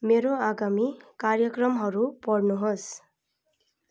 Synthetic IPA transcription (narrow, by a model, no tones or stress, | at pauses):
meɾoaɡamikarjʌkrʌmɦʌɾupʌɽnuɦos